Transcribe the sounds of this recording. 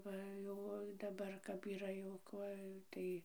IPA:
ˈʋɐ ˈjɛʊ oː dɐˈbɐr kɐp iːˈrɐ jɛʊ ˈkuɔj ˈtɐɪ

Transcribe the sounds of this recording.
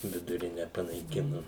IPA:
ʋʲɪdʊˈrʲɪnʲɛ pɐnɐɪˈkʲɪnʊ

